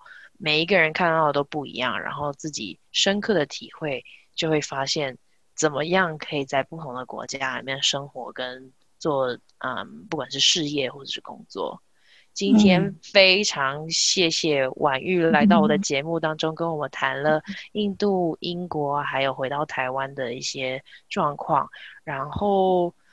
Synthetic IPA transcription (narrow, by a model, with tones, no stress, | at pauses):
me˨˩ɪi˧˥ɡə˧ɻə˧˥nkʰa˥˧nt̪ɑ˥˩ʊt̪o˥ʊpu˥˩ḭ˧˥jɑ̰˥˩ŋɻa̰˧˥nxo˥˧ʊt͡sɹ̩˥˩t͡ɕḭ˨˩ | ʂə˥nkʰɤ˥˩d̪ə˩t̪ʰḭ˨˩xwe˥˩ɪt͡ɕjo˥˧xwe˥˩ɪfa˥ɕjɛ˥˩n | t͡sə˨˩nmə˦jɑ˥˩ŋkʰɤ˧˥i˨˩t͡sa˥˧ɪpu˥˩t̪ʰʊ˧˦˥ŋd̪ə˧kwɔ̰˧˥t͡ɕjaa˥lḭ˨˩mjɛ˥˩nʂɤ˥ŋxwɔ̰˧˥kə˦˥n | t͡swɔ˥˩ | ə̰˩mpu˥˩kwa˨˩nʂ̬ɻ̩˥˧ʂɻ̩˥˧jɛ˥˩xwɔ˥˩ʈ͡ʂʂɻ̩˥˩kʊ̰˥ŋt͡swɔ̰˥˩ | t͡ɕi˥nt̪ʰjɛ˥nfe˥ɪʈ͡ʂʰɑ˧˥ŋɕjɛ˥˧ɕjɛ˥˩wʔa˨˩ny˥˩la˧˥ɪt̪ɑ˥˩ʊwɔ˨˩d̪ə˩t͡ɕjɛ˧˥˦mu˥˩t̪ɑ˥ŋʈ͡ʂo˥ŋkə˥nwɔ˨˩mə˦nt̪ʰa˧˥nlə˧i˥˧nt̪u˥˩i˥nkwɔ˧˥xa˧˥ɪjo˨˩ʊxwe˧˥ɪt̪ɑ˥˩ʊt̪ʰa˧˥ɪwa˦nd̪ə˨i˥˩ɕjɛ˥ʈ͡ʂwɑ˥˧ŋkʰwɑ̰˥˩ŋɻa˧˥nxo˥˩ʊ